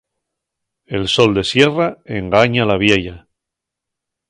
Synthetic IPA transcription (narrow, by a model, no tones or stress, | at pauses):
e̞lso̞ld̪e̞sje̞rae̞ŋɡaɲalaβ̞je̞ʎa